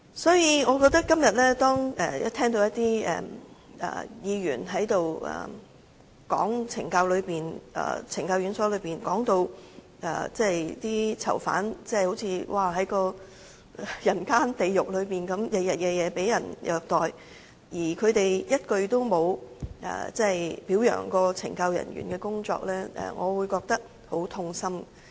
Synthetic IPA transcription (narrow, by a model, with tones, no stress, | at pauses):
sɔː˨˥jiː˧ŋɔː˨˧kɔː˧k̚t̪ɐ˥kːɐ˥mjɐ˨t̚lɛː˥t̪ɔː˥ŋɛ̰ː˨jɐ̰˦˥t̪ʰɛː˥ŋt̪̬o˧wjɐ˥t̪iː˥ɛ̰ː˨ | ɛ̰ː˨˩jiː˨˧jyː˨˩nɦɐ˨˥jt̪o˨wɛ̰ː˨˩ | kɔ̰ː˨˥ŋt͡sʰɪ˨˩ŋkaː˧wlɵ˨˧ɥpiː˨nɛ̰ː˨˩t͡sʰɪ˨˩ŋkaː˧wjy˨˧˥nsɔː˨˥lɵ˨˧ɥpiː˨nkɔː˨˥ŋt̪o˧w | ʔɛ̰ː˨˩t͡sɛ˥˩˨jt̪iː˥t͡sʰɐ̰˨˩wfa̰ː˨˥nt͡sɛ˥ho˨˥wt͡sʰiː˧wʔaː˧ɦɐ˨˥jkɔː˧˨ | jɐ˨˩nkaː˥nt̪e˨jjʊ˨k̚lɵ˨˧ɥpiː˨nkɐ˨˥mjɐ˨˧jɐ˨˩t̚kɛː˧jɛː˨˧pe˨˥jjɐ˨˩njœː˨˧k̚t̪ɔː˨˩j | jiː˨˩kʰɵ˨˧ɥt̪e˨jjɐ˥t̚kɵ˧ɥt̪o˥wmo˨˧wɛ̰ː˨˩t͡sɛ˥˨jpiː˨˥wjœ̰ː˨˩ŋkɔː˧t͡sʰɪ̰˨˩ŋkɐ˧wjɐ̰˨˩nɥy̰˨˩nkɛː˧kʊ˥ŋt͡sɔ̰ː˧k̚lɛː˥ʔɛ̰˨ŋɔ̰ː˨˧wuː˨˧jkɔː˧k̚t̪ɐ˥k̚ | ho˨˥wt̪ʰʊ˧ŋsɐ˥m